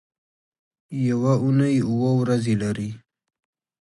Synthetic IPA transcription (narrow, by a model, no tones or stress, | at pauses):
jawaunajuwowɾazelaɾi